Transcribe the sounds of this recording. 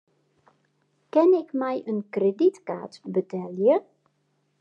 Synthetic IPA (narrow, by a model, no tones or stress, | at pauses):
kɛnɪkmɛjʔənkreditka̰ːtbətʰɛljə